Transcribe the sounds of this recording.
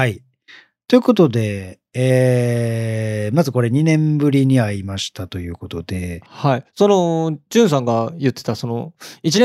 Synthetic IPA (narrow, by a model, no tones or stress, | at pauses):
hai | t̪o̞jɯ̟ko̞t̪o̞d̪e̞ː | mazɨko̞ɾe̞ɲ̟inẽ̞mbɯ̟ɾʲiɲ̟iaimaɕi̥t̪at̪o̞jɯ̟ːko̞t̪o̞d̪e̞haiso̞no̞d͡ʑɨ̃ɰ̃s̬ãŋɡajɯ̟t̪ːe̞̥t̪aso̞no̞it͡ɕinẽ